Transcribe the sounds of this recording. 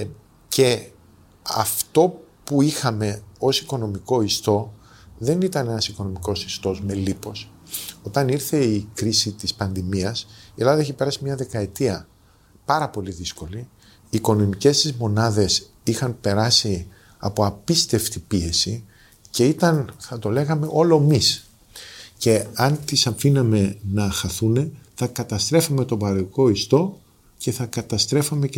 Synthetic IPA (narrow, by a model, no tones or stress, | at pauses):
ce̞ | ɐ̰ft̪o̞puixɐme̞o̞siko̞no̞miko̞ist̪o̞ðe̞nit̪ɐne̞nɐsiko̞no̞miko̞sist̪o̞zme̞lipo̞s | o̞t̪ɐniɾθe̞ikɾisit̪ispɐnðimiɐsielɐðɐe̞çipe̞ɾɐsimɲɐðe̞kɐe̞t̪iɐ | pɐɾɐpo̞liðisko̞li | iːko̞no̞mice̞st̪izmo̞nɐðe̞s | ixɐnpe̞ɾɐsi | ɐ̰po̞ɐpist̪e̞ft̪ipie̞si | ce̞it̪ɐnθɐt̪o̞le̞ɣɐme̞ʔo̞lo̞emis | ce̞ɐnt̪isɐfinɐme̞nɐxɐθune̞θɐkɐt̪ɐst̪ɾe̞fome̞t̪o̞bɐɾoko̞ist̪o̞ | ce̞θɐkɐt̪ɐst̪ɾe̞fɐme̞